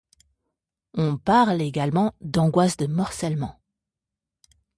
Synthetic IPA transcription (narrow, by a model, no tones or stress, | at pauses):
ɔ̃paʁleɡalmɑ̃d̪ɑ̃ɡwasd̪əmɔʁsɛlmɑ̃